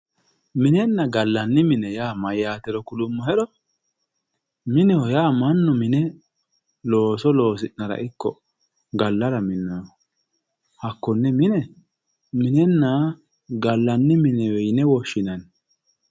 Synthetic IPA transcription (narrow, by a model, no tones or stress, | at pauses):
mɪnɛnːɐɡɐlːɐnːɪmɪnɛjaːmɐjːaːt̪ɛɾɔkʊlʊmːɔɦɛɾɔ | mɪnɛhɔjaːmɐnːʊmɪnɛ | lo̞ːsɔlo̞ːs̬ɪnːɐɾɐ̰ʔɪkːɔ̰ | ɡɐlːɐɾɐmɪnːɐjɔ | hɐkːɔnːɛmɪnɛ | mɪnɛnːa | ɡɐlːɐnːɪmɪnɛwɛjnɛwɔʃːɪnɐn